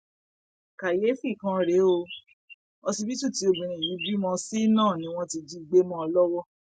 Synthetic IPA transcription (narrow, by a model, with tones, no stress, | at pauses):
ka˨je˨˦fi˦˨kã˦ɾe˨˦o˧ | ɔ˧si˧bi˦tũ˦˨ti˨˦o˧bũ˨ɾ̃ĩ˨ji˨˦bɾi˦mɔ̃˦si˦nãː˦˨nĩ˧˦w̃ɔ̃˦ti˧d͡ʒi˧ɡ͡be˦mɔ̃˦ɔ˧lɔ˦wɔ˦